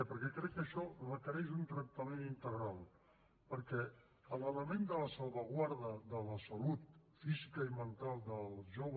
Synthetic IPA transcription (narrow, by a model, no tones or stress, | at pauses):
pəɾkɛkɾɛkːəʃɔləkəɾɛʒunt̪ɾək̚t̪amẽnint̪əɣɾalˠ | pəɾkɛ | ələləmẽnd̪ələsalˠβaɣwaɾðəðələsalut̪̚fizikaimənt̪alˠd̪əlˠzʒoβ